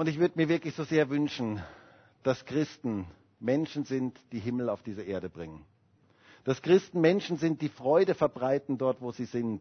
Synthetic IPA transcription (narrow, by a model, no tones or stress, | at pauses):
ʔʊntɪçv̥ʏɐdəmiːɐvɪɐklɪçz̥oːzeːɐvʏnʃn̩ | d̥askʁ̥ɪstn̩ | mɛnʃn̩zɪntd̥iːɦɪml̩aʊfd̥iːzəʔeːɐɾəbʁɪŋən | d̥askʁ̥ɪstn̩mɛnʃn̩zɪnt̚d̥iːfʁ̥ɔʏdəfɛɐbʁaɪtn̩dɔɐtv̥oːziːzɪnt